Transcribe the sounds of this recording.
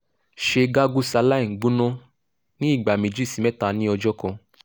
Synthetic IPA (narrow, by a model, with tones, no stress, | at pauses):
ʃe˧ɡa˦ɡu˦sa˧la˦i˨ɡ͡bũ˦nɔ̃˦ | nĩ˦i˦˨ɡ͡ba˨mĩ˨d͡ʒi˦˨si˨˦mɛ̃˦ta˧nĩ˦ɔ˧d͡ʒɔ˦kɔ̃˧